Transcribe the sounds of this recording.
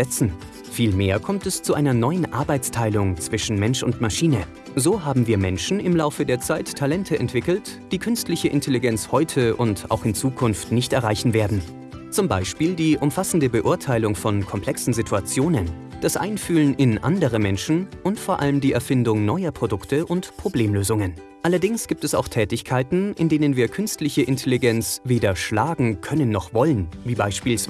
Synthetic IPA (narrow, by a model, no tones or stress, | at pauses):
ɛt͡sn̩ | fiːlmeːɐkʰɔmtɛst͡suʔaɪnɐnɔʏənʔa̰ɐbaɪt͡stʰaɪlʊŋt͡sv̥ɪʃn̩mɛnʃʊntmaʃiːnə | zoːɦaːbm̩viːɐmɛnʃn̩ɪmlaʊfədeːɐt͡saɪtʰːalɛntʰəʔɛntv̥ɪkl̩td̥iːkʰʏnstlɪçəʔɪ̰ntʰeliɡɛnt͡shɔʏtʰəʔʊnta̰ʊxɪnt͡suːkʰʊnftnɪçtɛɐʁaɪçn̩veːɐdn̩ | t͡sʊmbaɪʃpiːldiːʔʊmfasn̩dəbəʔʊɐtʰaɪlʊŋfɔnkʰɔmpʰl̥ɛksn̩zɪtʰuat͡sjoːnən | d̥asʔa̰ɪnfyːlənʔɪnʔa̰ndəʁəmɛnʃn̩ʔʊntfoːɐʔaləmdiːʔɛɐfɪndʊŋnɔʏɐpʁ̥odʊktʰəʔʊntpʁ̥obleːmløːzʊŋən | ʔalɐdɪŋsɡ̥iːp̚tɛsa̰ʊxtʰɛːtɪçkʰaɪtn̩ʔɪndeːnənviːɐkʰʏnstlɪçəʔɪntʰeliɡɛnt͡sveːdɐʃlaːɡŋ̩kʰœnənːɔχv̥ɔlənviːbaɪʃpiːls